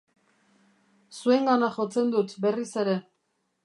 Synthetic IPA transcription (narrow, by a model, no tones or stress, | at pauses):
sue̞ŋɡanaʝo̞t͡se̞nd̪ut̪be̞rise̞ɾe̞